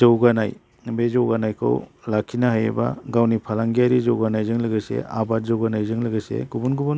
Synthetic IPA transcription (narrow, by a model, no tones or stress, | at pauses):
zawɡanaj | bezawɡanajkʰa̰wlakʰːinaɦajḛba̰ɡawnipʰalaŋɡijaɾizawɡanajzɯŋlɯɡɯsḛa̰bat̚zawɡanajzɯŋlɯɡɯsḛɡubunɡubun